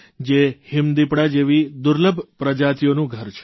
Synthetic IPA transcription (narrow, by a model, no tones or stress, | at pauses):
d͡ʒehɪmd̪ipɽad͡ʒeʋid̪ʊɾləbʱpɾəd͡ʒat̪ijonũɡʱəɾt͡ʃʰe̥